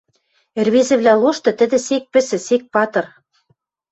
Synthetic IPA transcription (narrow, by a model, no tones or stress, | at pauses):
erβezɘ̆βlʲæloʃt̪ɤ̆t̪ɘ̆d̪ɘ̆sek̚pɘ̆sɘ̆sek̚pɑt̪ɤ̆r